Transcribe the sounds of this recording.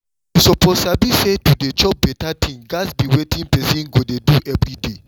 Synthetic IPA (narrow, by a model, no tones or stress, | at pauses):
isɔpʰɔsabisedudet͡ʃɔp̚bɛtatʰĩŋɡasbiwetʰĩŋpɛsĩnɡodeduʔɛvɹide